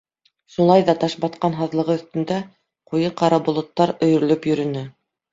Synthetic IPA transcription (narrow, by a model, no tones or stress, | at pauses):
ʃulˠɑjðɑt̪ɑʃbɑt̪̚qɑnɦɑðlˠɤ̆ʁɤɵ̆θt̪ɘ̆nd̪æ | qujɤqɑɾɑbŏlˠŏt̪ːɑɾɵ̆jɵ̆ɾɘ̆lɵpjɵ̆ɾɘ̆nɘ